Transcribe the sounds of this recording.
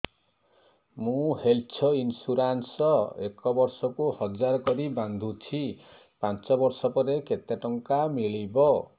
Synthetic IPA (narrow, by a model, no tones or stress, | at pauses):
mũhelt͡ʃʰɔinsuɾansɔekɔbɔɾsɔkuhɔd͡ʒaɾɔkɔɾiband̪ʱut͡ʃʰi | pant͡ʃɔbɔɾsɔpɔɾeket̪jaʈɔŋkamiɭibɔ